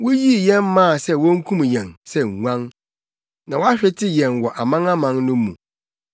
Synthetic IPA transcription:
wʊ˦ji˦˨jɛ̃˦mːã˦˨sɛ˦wɔ˦ŋ̩˦kʰũ˦m˨jɛ̃˨nsɛ˦˨ŋʷ˦ã˦ŋ | nã˨wa˦ɕᶣɛ˦tʰɪ˦jɛ̃˨nwɔ˨ʔa˨mã˦ŋa˦mã˨ŋnʊ̃˦mũ˨

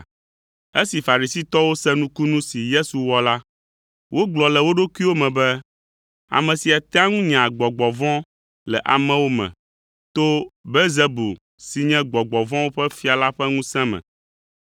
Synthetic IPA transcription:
e˦si˨fa˨ɾi˨si˦t̪ɔ˦wo˦sɛ̃˦nũ˦ku˦nũ˦si˨je˦su˨wɔ˦la˦ | wʔo˦ɡ͡blɔ˨lɛ˨wo˦ɖo˦ku˦i˦wo˦mɛ̃˨bɛ˦ | a̰˨mɛ̃˨si˨a˨t̪ɛ˦a˦ŋũ˦ɲ̃˨ɡ͡bɔ˨ɡ͡bɔ˨vɔ̃˦ | lɛ˨ʔa̰˨mɛ̃˨wo˦mɛ̰̃˨ | t̪o˦be˦ze˦bu˨ | si˨ɲɛ̃˦ɡ͡bɔ˨ɡ͡bɔ˨vɔ̃˦wo˦ɸɛ˦fi˦a˨la˦ɸɛ˦ŋũ˦sɛ̃˦mɛ̰̃˨

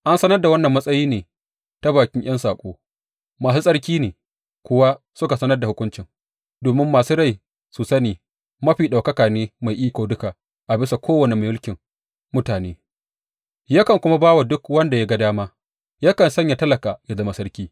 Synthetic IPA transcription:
ʔa˦nsɐ˦nɐ˦rda˨wɐ˦nːɐ˨mːɐ˦sʼɐ˦jiː˦neː˨ | ta˦baː˨kʲɪ˦ŋj̰ɐ˦nsaː˨kʷʼoː˦ | maː˨s̬uː˦sʼɐ˦ɽk̬ʲiː˦neː˨ | kʷʊ˦wa˦ | sʊ˦ka˨sɐ˦nɐ˦rda˨hʊ˦kʷʊ˦nt͡ʃɪ˨ŋ | doː˨mɪ˦mːaː˨suː˦ɽa˦˨j | su˨sɐ˦niː˨ | mɐ˦ɸiː˨ɗa˨kɐ˦kaː˨neː˦ma˨jʔiː˦kʷoː˨dʊ˦ka˨ | ʔa˨bɪ˦sa˨kʷʰoː˦wɐ˨ne˨ma˨mʊ˦lkʲɪ˨ŋ | mʊ˦taː˨nḛː˦ | ja˦kɐ˨ŋkʷʊ˦ma˦baː˦wa˨dʊ˦kwɐ˦nda˨ja˦ɡa˦daː˦maː˦ | ja˦kɐ˨nsɐ˦ɲja˨tɐ˦lɐ˨kaː˨ja˦zɐ˦ma˨sɐ˦ɽɾkʲiː˦

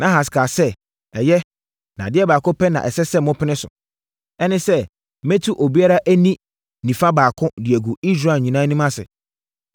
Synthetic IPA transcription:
nʔã˦ɦa˨s̬ɪ̥˨kʰa˨sɛ˦ | ɛ˨jɛ˦ | nã̰˨dɪ˦ɛ˦baː˨kʊ˦pɛ˦nã̰˨ʔɛ˨sɛ˦sɛ˦mʊ̃˦pʰɪ˦nɪ̃˦sʊ̰˨ | ɛ˦nɪ̃˦sɛ˦ | mɛ̃˦tʰu˦ʔo˨bi˦a˦ɾa˦ʔæ˦nĩ˦ | nĩ˨fã˦baː˨kʰʊ̃˦dɪ˨ɛ˨ɡu˨i˦s̬ɾa˦˨ɲĩ˨nã˦nĩ˦mã˦sɪ̰˨

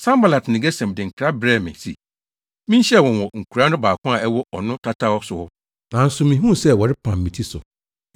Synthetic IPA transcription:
sã˦mba˨la˨tnɪ̃˨ɡɛ˦sɛ̃˨mdɪ˨ŋ̩˨kʰɾa˦bɾɛː˦mɪ̰̃˨sḭ˨ | mĩ˦ɕɛ˦˨wɔ̃˨nwɔ˨ŋ̩˨kʰu˨ɾa˦nʊ̃˦baː˨kʰʊ̃˦a˨ʔɛ˦wɔ˦ɔ˨nʊ̃˦tʰa˦tʰa˦ɔ˦sʊ˨hʊ˦ | nã˨n̩˦sʊ˨mĩ˨ɦũ˦sɛ˦wɔ˨ɾɪ˦pʰã̰˨mː˨ĩ˨tʰi˦sʊ̰˨

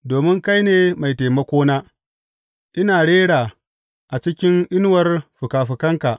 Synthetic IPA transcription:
doː˨mɪ˦ŋka˦jneː˨ma˨jteː˨mɐ˦kʷoː˦naː˦ | ʔɪ˦naː˨ɽeː˦ɽaː˨ | ʔa˨t͡ʃɪ˦kʲɪ˦ŋʔɪ˦n˦wɐ˦rɸʊ˨kaː˨ɸɪ˨kɐ˦ŋka˨ʔ

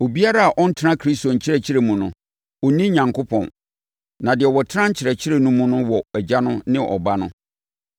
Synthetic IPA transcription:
o˨bi˦a˦ɾa˦a˨ʔɔ̃˦n̩˦tʰɪ˦ɾã˦kʰɾi˦sto˨ɲ̩˨t͡ɕʰɪ˦ɾɛ˨t͡ɕʰɪ˦ɾe˨mũ˨nʊ̰̃˨ | ɔ˨nĩ˦ɲã˨ŋkʰo˦pʰɔ̰̃˨n | nã˨dɪ˨ɛ˨wɔ˨tʰɪ˦ã˦ɲ̩˦t͡ɕʰɪ˨ɾɛ˨t͡ɕʰɪ˦ɾe˨nũ˦mũ˦nʊ̃˦wɔ˨æ˨d͡ʑa˦nʊ̃˦nɪ̃˦ʔɔ̰˨ba˦nʊ̰̃˦

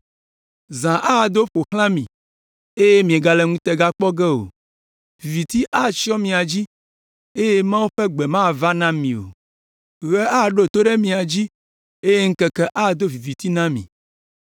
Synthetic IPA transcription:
zã˨ʔa˦˨d̪o˦ɸo˨xl̃ã˦mĩ˨ | e˦je˦mĩ˨e˨ɡa˨lɛ˨ŋũ˦t̪ɛ˨ɡa˦k͡pɔ˦ɡɛ˦o̰˨ | vi˨vi˨t̪i˦ʔa˦˨t͡ʃi˦ɔ˦mĩ˨a˨d͡ʑi˦ | e˦je˦mã˦wo˦ɸɛ˦ɡ͡bɛ˨mã˦˨va˦nã˦mĩ˨o̰˨ | ɣɛ˦a˦˨ɖo˦t̪o˦ɖɛ˦mĩ˨a˨d͡ʑi˦ | e˦je˦ŋ̩˦kɛ˦kɛ˦ʔa˦˨d̪o˦vi˨vi˨t̪i˦nã˦mḭ̃˨

